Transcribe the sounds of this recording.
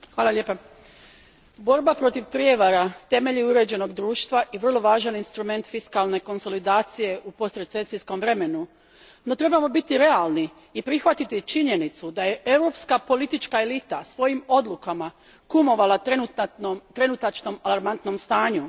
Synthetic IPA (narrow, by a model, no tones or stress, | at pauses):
xʋaːlˠaʎepa | bo̞ɾbapɾo̞t̪iʋpɾije̞ʋaɾat̪e̞me̞ʎiuɾe̞ːd͡ʑe̞no̞ɡd̪ɾuːʃt̪ʋaʔiʋr̩lˠo̞ʋaːʒaninst̪ɾume̞nt̪fiskalˠne̞ko̞nso̞lid̪aːt̪sije̞ʔupo̞st̪ɾesesisko̞mʋɾe̞me̞nu | no̞t̪ɾe̞bamo̞bit̪iɾe̞alˠni | ipɾixʋat̪it̪it͡ʃiɲe̞nit̪sud̪aje̞ʔe̞wɾo̞pskapo̞lit̪it͡ʃkaelit̪asʋo̞jimo̞d̪lukama | kumo̞ʋala | t̪ɾe̞nut̪at͡ʃno̞malˠaɾmant̪no̞mst̪aːɲu